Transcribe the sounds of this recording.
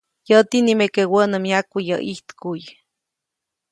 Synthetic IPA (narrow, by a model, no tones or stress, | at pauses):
jət̪inimekewənəmjakʷːijə̰ʔiht̪kuj